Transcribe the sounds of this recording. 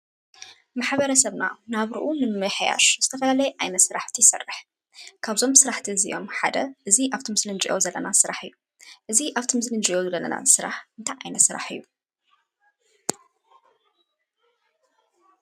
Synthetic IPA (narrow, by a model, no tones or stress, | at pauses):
maħβɐɾɐsɐβna̰naβɾɨʔunɨmɨħja̰ʃz̥ɨt̪ʰɐfɐlalɐjʔajnɐt̪sɨɾaħt̪ʰijsɐ̰rːɨħ | kʰaβzo̞msɨɾaħt̪ʰizḭʔo̞mħad̪ɐʔɨziʔaβt̪ʰimsɨlɨnd͡ʒiʔo̞̰zɐlːɐ̰nasɨɾaħɨjːu | ʔɨziʔaβt̪ʰimɨsɨlɨnd͡ʒiʔo̞zɐlːɐlːɐ̰na̰sɨɾa̰ħɨnt̪ʰajʔajnɐt̪sɨɾa̰ħɨ̰jːu